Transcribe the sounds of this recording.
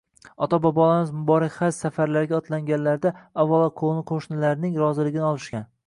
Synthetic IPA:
ɒt̪ʰɒbɒbɒlˠamɪzmʊbɒɾakʲhassafaɾlaɾɡʲaɒt̪ʰlaŋɡʲanlaɾd̪aavːɒlˠɒqʰonɪqʰoʃnɪlaɾnɪŋɾɒzɪlɪɡʲɪnɪɒlˠɪʃkʲan

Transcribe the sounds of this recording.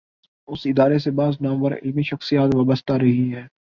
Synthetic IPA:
ʊsɪd̪aːɾes̬ebaːznãːbəɾɪ̰lmiʃɐxsijaːt̪ʋaːbəst̪aɾɐɦiɦɛː

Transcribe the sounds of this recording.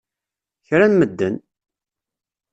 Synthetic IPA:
çɾænməd̪ːən

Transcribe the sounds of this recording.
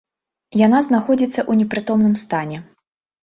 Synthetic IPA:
jan̪aznaxɔd͡zʲit̪sːɐʔunʲɛpɾɨt̪ɔmnɨmst̪anʲɛ

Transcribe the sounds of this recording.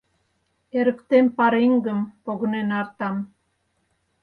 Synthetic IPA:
eɾə̆kt̪empɑɾiŋɡəmpoɣnenɑrt̪ɑm

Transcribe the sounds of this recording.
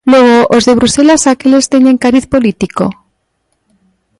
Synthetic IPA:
lweɣ̞oʔozðeβ̞ɾuselasakelest̪eɲeŋkaɾiθpo̞lit̪iko̰

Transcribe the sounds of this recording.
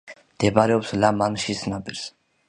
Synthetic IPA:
md̪̥ɛbaɾɛɔpslamanʃisnabiɾs

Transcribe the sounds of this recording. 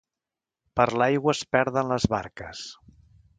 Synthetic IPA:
pəɾlajɣwəspɛɾðənləzβaɾkəs

